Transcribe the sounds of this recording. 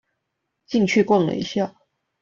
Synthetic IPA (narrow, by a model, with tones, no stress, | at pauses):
t͡ɕi˥˧ŋt͡ɕʰy˥˧kwa˥˩nlə̰˨˩ḭ˧˥ɕja˥˩